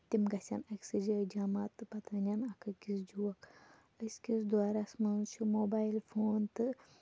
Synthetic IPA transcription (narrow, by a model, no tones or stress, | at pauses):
t̪imɡɐsʲa̰nɐkʲsid͡ʒɐd͡ʒamaːt̪ɨpɐt̪ɐnʲanɐkʰɐkisd͡ʒuʋɐk | ɐskisd̪ʋaːɾasmɐnt͡ʃʰumoːbaːjlfʰoːnt̪ɨ